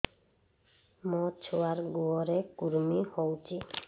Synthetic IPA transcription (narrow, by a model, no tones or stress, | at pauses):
mɔt͡ʃʰuwaɾɡuɔɾɛkuɾmihowt͡ʃʰi